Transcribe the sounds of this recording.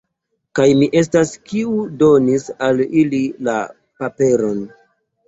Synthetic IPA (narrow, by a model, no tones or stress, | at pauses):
kajmiʔe̞s̬taskiudo̞nisalilila̰ | pape̞ɾo̞n